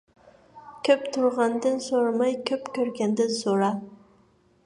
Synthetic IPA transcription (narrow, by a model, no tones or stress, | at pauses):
kʲʰøpt̪ʰʊɾʁɑnd̪ɨnsoɾɑmɑjkʲʰøpkʲøɾɡʲɛnd̪ɪnsoɾɑ